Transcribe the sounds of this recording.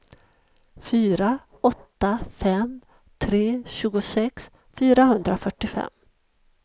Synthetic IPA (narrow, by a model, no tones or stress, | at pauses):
fyːɾa | ɔt̪ːafɛm | t̪ʰɾeːɕʉ̟ːɡʊsɛks | fyːɾahɵnd̪ɾafœʈːɪfɛ̰mː